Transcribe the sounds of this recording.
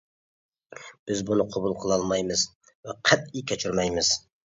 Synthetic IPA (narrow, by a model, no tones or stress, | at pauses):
b̥ɪzbunɨqʰobulˠqʰəlˠɑlˠmɑjmɨz | væqʰæt̪̚ikʲʰæt͡ʃʰyɾmæjmɪz̥